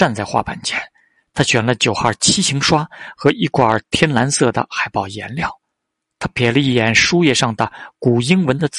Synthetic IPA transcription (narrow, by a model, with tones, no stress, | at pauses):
a˥˧nt͡sa˥˧ɪxwa̰˥˩pa̰˨˩nt͡ɕʰjɛ˥n | t̪ʰa˥ɕɥɛ˨˩nlə˦t͡ɕjo˨˩ʊxa˥˩t͡ɕʰi˥ɕi˧˥ŋʂwa˥xɤ˧˥ʔi˥˩kwa˨˩t̪ʰjɛ˥nla˧˥nsɤ˥˩d̪ə̰˩xa˨˩ɪpɑ˥˩ʊjɛ̰˧˥nljɑ˥˩ʊ | t̪ʰa˥pʰjɛ˧˩lə˧i˥˩jɛ˨˧˩nʂu˥jɛ˥˧ʂɑ˥˩ŋd̪ə˩ku˨˩i˥ŋwə˧˥nd̪ə˧t͡s